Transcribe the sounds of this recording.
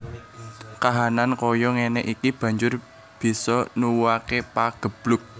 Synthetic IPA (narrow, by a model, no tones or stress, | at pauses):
kaɦanankɔjɔŋenɛʔikib̥ä̤ɲd͡ʒʊr | b̥i̤sɔnuwuakepaɡ̥ə̤b̥lʊk̚